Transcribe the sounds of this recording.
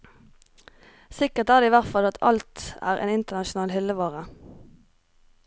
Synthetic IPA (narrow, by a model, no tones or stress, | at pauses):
sɪkəʁt̪æːʁd̪eːiːʋæʁt̪fɑlɑt̪ʰɑ̰lt̪æ̰ːʁʔḛːnɪnt̪ənɑʃʊnɑːlhɪlːəʋɑːʁə